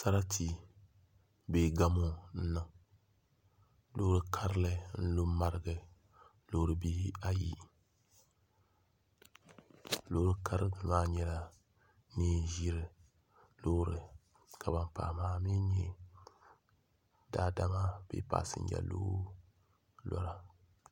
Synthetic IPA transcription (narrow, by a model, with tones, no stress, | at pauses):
sa˦ɾa˦tʰi˦ | be˨ɡa˦mo˦n̩˦nɨ˨ŋ | lo˦ɾɨ˨kʰa˦ɾɨ˦lɨ˨n̩˦lo˦ma˦ɾɨ˦ɡɨ˨ | lo˦ɾɨ˨bi˦a˦ji˦ | lo˦ɾɨ˦ka˦ɾɨ˦ɨ˨maː˦ɲɛ˦la˨ | ni˦ʒi˦ɾɨ˨ | lo˦ɾɨ˨ | ka˨ba˨mpa̰ː˨maː˦mi˦ɲɛ˦ | da˦da˦ma˦b̥ḛ˦pa̰ː˨sɨ̰˨ɲ̩˦d͡ʒa̰˨lo̰˦ | lɔ̰˦ɾa˨